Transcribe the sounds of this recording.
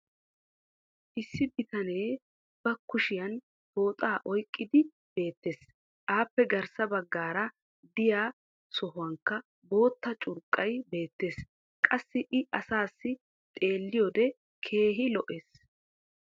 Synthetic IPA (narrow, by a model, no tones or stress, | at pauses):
ʔɪsːɪbɪt̪ɐneː | b̥ɐkːʊʃɪjɐn | bo̞ːt̪ʼaːʔɔjkʼːɪd̪ɪ | b̥e̞ːt̪ːe̞ːs | ʔaːpːɛɡɐɾsɐbɐɡːaːɾɐ | d̪ɪjaː | sɔɦʊwɐŋkːɐ | bo̞ːt̪ːɐt͡ʃʼʊɾkʼːɐjbe̞ːt̪ːe̞ːs | kʼɐsːɪʔɪɐsaːsːɪ | t̪ʼe̞ːlːɪjɔd̪ɛ | kʰe̞ːɦɪlɔʔeːs